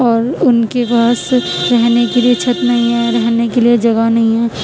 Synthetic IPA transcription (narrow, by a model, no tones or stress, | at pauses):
ɔːɾʊnkepaːs | ɾɛɦnekeliet͡ʃʰɐt̪nɐɦĩɦɛ̃ɾɛɦnekelied͡ʒɐɡanɐɦĩɦɛ̃ː